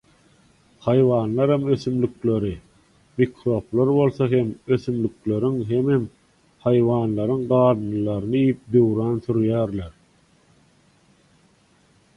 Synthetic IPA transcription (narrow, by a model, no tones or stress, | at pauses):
hɑjvɑːnlˠɑɾhɑmø̞θymlykle̞ɾi | mikʰɾo̞ːplˠɑɾbo̞lˠθɑɦe̞møθymlykle̞ɾyŋɦemem | hɑjvɑːnlˠɑɾɯŋɢɑːd̪ɯnɯlˠɑɾɯnɯijip̚d̪øwɾɑːnθyɾjæːɾleɾ